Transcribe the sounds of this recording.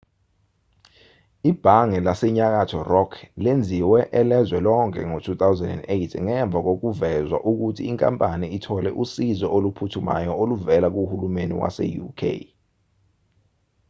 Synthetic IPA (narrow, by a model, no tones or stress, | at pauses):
ib̥ʱaŋɛlasɛɲak̬atʰɔrɔkʰlend͡zʱiwɛʔɛlɛzwɛlɔŋkʰʼɛ̰ŋotʰuθawzɛndɛ̰ndejtʰŋɛɱb̪vʱak̬ok̬uvɛzwa̰ʔuk̬utʰiːŋkʼa̰mpʼaniitʰɔlɛ̰ʔusizɔʔolupʰutʰuma̰jɔoluvɛlak̬uhulumenḭwa̰sɛ̰jṵkʰḛ